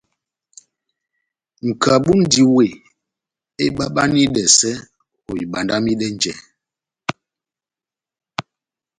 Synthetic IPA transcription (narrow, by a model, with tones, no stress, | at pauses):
ŋ̩˨ka˨ɓu˦n̩˦di˨we˨ | e˦ɓa˦ɓa˦ni˦ɗɛ˨sɛ˦ | ho˨i˨ɓa˨nda˦mi˦ɗɛ˦n˦d͡ʒɛ˨